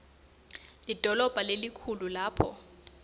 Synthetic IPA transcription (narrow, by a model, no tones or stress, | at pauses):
lid̥ʱɔlɔb̥ʱalelikʰululaːpʰɔ